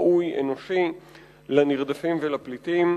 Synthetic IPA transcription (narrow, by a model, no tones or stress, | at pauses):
ʔujḛno̞ʃi | laniʁd̪afimvelaplit̪im